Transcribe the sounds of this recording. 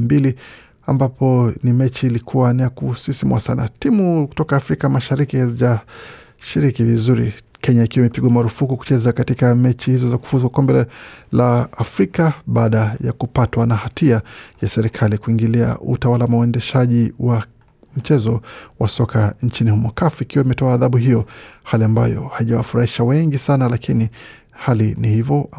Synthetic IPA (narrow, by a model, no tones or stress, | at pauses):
mbili | ambapʰɔnimɛt͡ʃiːlikʰuwanijakusisimwasana̰timuku̥tɔkaːfɾikamaʃaɾikihaziʄa | ʃiɾikivizuɾḭkɛɲaikiwamipiɠwamaɾufukuku̥t͡ʃɛzakatikamɛt͡ʃihizɔzaku̥fuzwakɔmbɛlaːfɾikaɓaːɗaja̰kupatwanahatiajasɛɾikʰalikuiŋɡilia̰ʔṵtawalamawɛndɛʃaʄiwa | m̩t͡ʃɛzɔwasɔkaɲt͡ʃinihumɔkafuikiwaimɛtɔaːðaɓuɦijɔhaliamba̰jɔ̰haiʄawa̰fuɾahiʃawɛŋɡisanalakʰini | halinihivɔ